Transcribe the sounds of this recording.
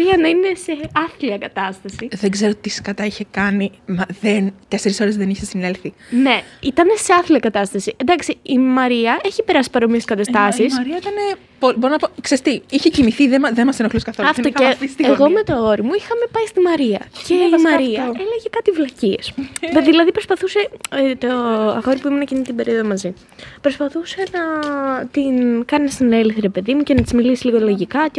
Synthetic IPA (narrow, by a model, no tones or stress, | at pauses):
ɾiɐnɐine̞se̞ɐθliɐkɐt̪ɐst̪ɐsiðeɡze̞ɾot̪iskɐt̪ɐiçekɐnimɐðent̪e̞seɾiso̞ɾezðeniçesinelθine̞it̪ɐne̞seɐθliɐkɐt̪ɐst̪ɐsiend̪ɐksiimɐɾiɐe̞çipe̞ɾɐsi̥pɐɾo̞mieskɐt̪ɐst̪ɐsisɐɾiɐit̪ɐne | pobo̞ɾonɐpoksest̪iiçecimiθiðemɐðenmɐsenoxluskɐθoɐfoeɣo̞me̞t̪o̞o̞ɾimuixɐme̞pɐist̪imɐɾiɐ̰cemɐɾiɐeleʝekɐt̪ivlɐciḛsðilɐðipɾo̞spɐθuse̞t̪oɐxo̞ɾipuimunɐcinit̪ibe̞ɾio̞ðomɐzi | pɾo̞spɐθuse̞nɐt̪inkɐnist̪ine̞liθiɾe̞pe̞ðimuce̞nɐt̪izmilisiliɣo̞lo̞ʝikɐ